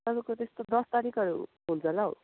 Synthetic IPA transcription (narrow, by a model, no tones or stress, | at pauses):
t̪ʌβʌkot̪est̪od̪ʌst̪aɾikʌɾṵ | ɦunt͡sʰʌlao̰